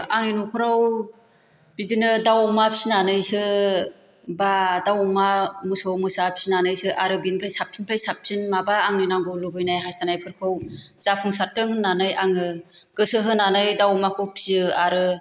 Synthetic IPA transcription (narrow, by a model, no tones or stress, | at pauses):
aŋninukʰɯɾaw | bidinɯdawmapʰsinanɯjsɯ | badawmamɯsowmɯsapʰi̥sinanɯjsɯʔaɾɯbinpʰɾajsap̚sʰinpʰɾajsap̚sʰinmabaːŋninaŋɡowlubɯjnajɦastanajpʰɯɾkʰɯwzapʰuŋsaɾ̚tɯŋhɯnːanɯjaŋɯ | ɡ̥ɯsɯɦɯnanɯjdawmakʰɯwpʰi̥sɯaɾɯ